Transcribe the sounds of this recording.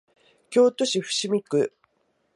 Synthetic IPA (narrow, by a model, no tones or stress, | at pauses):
kʲo̞ːt̪o̞ɕiɸɯ̟̥ɕimʲikɯ̟